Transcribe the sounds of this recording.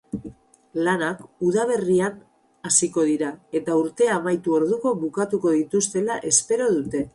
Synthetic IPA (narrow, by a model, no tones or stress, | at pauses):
lanakuðaβ̞e̞rian | asiko̞ðiɾae̞t̪auɾt̪e̞amajt̪uo̞ɾðuko̞βukat̪uko̞ðit̪ust̪e̞laʔe̞spe̞ɾo̞ðut̪e̞